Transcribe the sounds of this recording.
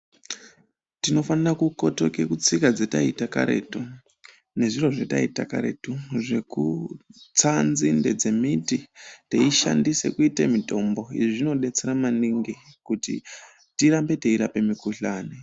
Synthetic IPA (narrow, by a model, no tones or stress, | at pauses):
tino̞fanirakukoto̞ke̞kut͡sikad͡zetaitaka̰ɾe̞̰tu | ne̞ʐiro̞ʐetaita̰kaɾe̞tuʐe̞kut͡sanzinded͡ze̞mititeiʃa̰ndise̞̰kuitemito̞mbo̞iʐiʐino̞ɗe̞t͡se̞ɾamaniŋɡikutḭ | tiɾambe̞te̞iɾape̞mikuɬaːni